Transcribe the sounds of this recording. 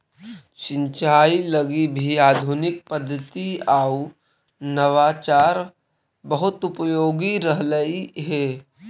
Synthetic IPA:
ʃɪ̃nt͡ʃaːiləɡibʱiaːd̪ʱunɪk̚pəd̪ʱːət̪iaːu | nəʋaːt͡ʃaːɾ | bəɦʊt̪ʊpəjoːɡiɾəɦləiɦɛː

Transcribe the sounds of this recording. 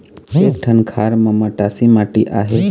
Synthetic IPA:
eːʈʰənkʰaːɾmãmaʈaːsimaːʈiʔaːɦe

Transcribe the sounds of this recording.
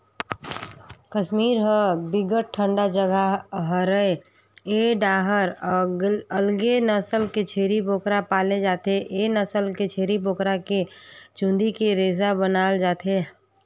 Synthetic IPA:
kəʃmiːɾɦəbɪɡəʈ̚ʈʰːəɳɖad͡ʒəɡaɦəɾəe | eːɖaːɦəɾ | əlɡenəsəlket͡ʃʰeːɾiboːkɾapaːled͡ʒaːt̪eʔenəsəlket͡ʃʰeːɾiboːkɾaket͡ʃũnd̪ikeɾeːzabənaːld͡ʒaːt̪e

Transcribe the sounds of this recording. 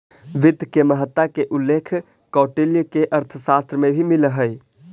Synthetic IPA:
ʋɪd̪keməɦət̪ːakeʔulːeːkʰ | kɔːʈeljəkeʔəɾt̪ʰəsaːst̪ɾəmẽbʱimɪləɦəj

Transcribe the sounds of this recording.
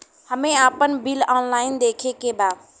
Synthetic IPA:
həmeapənbilɔnlaɪnd̪ekʰekeba

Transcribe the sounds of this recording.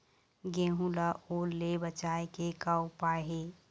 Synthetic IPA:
ɡẽɦũlaʔolebət͡ʃaekekawpaːɦe

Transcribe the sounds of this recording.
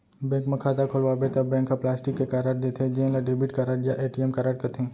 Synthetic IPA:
bɛ̃ːŋkmɐ̃kʰaːd̪akʰolʋabet̪ɐbɛ̃ːŋkːaplaːsʈɪkːekaːɾaːɖ̚d̪et̪ʰed͡ʒẽːnlaɖeːbɪʈkaːɾaːɖijaʔeːʈiɛmkaːɾaːɖkɐt̪ʰẽː

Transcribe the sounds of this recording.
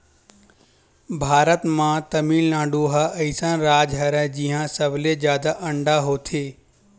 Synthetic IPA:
bʱaːɾət̪mãt̪ɐmiːlnãːɳɖuɦaʔɐisãnɾaːd͡ʒɦɐɾəd͡ʑiːɦãsɐblezjaːd̪aʔɐ̃ɳɖaɦot̪ʰeː

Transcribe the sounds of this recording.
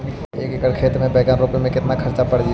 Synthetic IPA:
eːkekəɽkʰeːt̪mẽbɛːkanɾoːpemẽkɪt̪nakʰɐɾt͡ʃapɐɽd͡ʒi

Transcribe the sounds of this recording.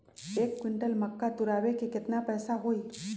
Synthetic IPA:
ekːwiɳʈəlməkːat̪uɾaʋekiket̪napəjsaɦoi

